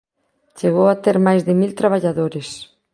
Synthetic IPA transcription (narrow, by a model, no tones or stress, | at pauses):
t͡ʃeɣowat̪eɾmajzðɪmilt̪ɾaβ̞aʎaðoɾɪs